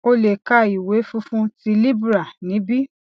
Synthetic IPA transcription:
o˦le˨ka˦˨i˨we˨˦fũ˦fũ˦ti˧li˦bu˦ɾa˨nĩ˨˦bi˦

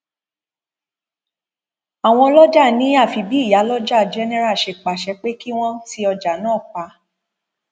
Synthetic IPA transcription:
a˨w̃ɔ̃˧lɔ˦d͡ʒa˦˨nĩ˨˦a˦˨fi˧bi˦˨ja˨˦lɔ˦d͡ʒa˦˨d͡ʒɛ˦nɛ˦ɾa˦˨ʃe˧˨k͡pa˨ʃɛ˨˧k͡pe˦ki˦w̃ɔ̃˦ti˧˦ɔ˧d͡ʒa˨nãː˦˨k͡pa˨˧˦

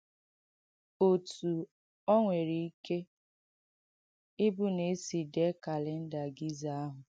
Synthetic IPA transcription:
o˨tu˨ | ɔ˦ŋʷe˨ɾi˨i˦ke˦ | ɪ˦bu˦ne˨˦si˨de˦ka˨lɪ˨n̩˦da˨ɡi˦za˨a˦ɦʊ˨

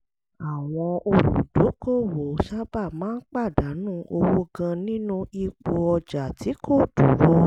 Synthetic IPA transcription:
a˨w̃ɔ̃˧o˧ɾṵ˨do˨˦ko˦˨wo˨˦ʃa˦ba˦˨mãː˨˦n̩˦k͡pa˦˨da˨˦nũ˦˨ʔo˧wo˦ɡã˧nĩ˦nũ˦i˧k͡po˧ɔ˧d͡ʒa˨ti˨˦kʰo˦˨du˨˦ɾo˦

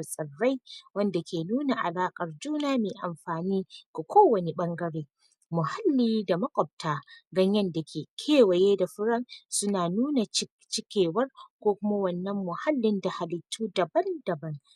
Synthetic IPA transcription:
sʼɐ˨rːa˦jwɐ˦nda˨kʲʰeː˨nuː˦na˨ʔa̰˨laː˦kʼɐ˨rd͡ʒuː˦naː˦meː˨ʔa˨mɸaː˨niː˦ko˨kʰʷoː˦wɐ˨ne˦ɓɐ˦ŋɡɐ˦ɽeː˦ | mʊ˨ha˦lːiː˦da˨mɐ˦kʷʼɔ˨b̚tʰaː˦ɡɐ˦ɲjɐ˦nda˨kʲʰeː˨kʲʰeː˦˨wɐ˨jeː˦da˨ɸɪ˦ɾɐ˦nsʊ˦naː˨nuː˦na˨˦ | t͡ʃɪ˦kʲeː˨wɐ˦rkʷoː˦kʷʊ˦ma˦wɐ˨nːɐ˦mːʊ˨ha˦lːɪ˦nda˨ha˨lɪ˨tʰːuː˦dɐ˨bɐ˦nd̥ɐ˨bɐ˦n

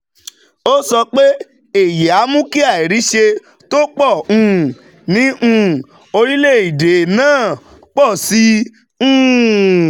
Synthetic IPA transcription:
o˦sɔ˧k͡pe˦ | e˨je˨a˨˦mũ˦ki˦a˦˨i˨ɾi˨˦ʃe˧ | to˦k͡pɔ˦˨ũ˧˨ | nĩ˨˦ʔũ˧˨ | o˧ɾi˦le˦˨i˨de˨nãː˦˨ | k͡pɔ˦˨sĩ˨˦

